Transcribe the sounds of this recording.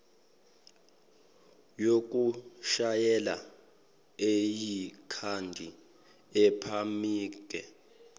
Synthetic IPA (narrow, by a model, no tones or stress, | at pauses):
jok̬ʼuʃajɛla̰ | ejikʰandʱi | ɛpʰamiːk̬ʼɛ